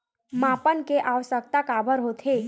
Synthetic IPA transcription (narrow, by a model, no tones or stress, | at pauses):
mapənkeʔaʋəsək̚t̪akabʱəɾɦot̪ʰe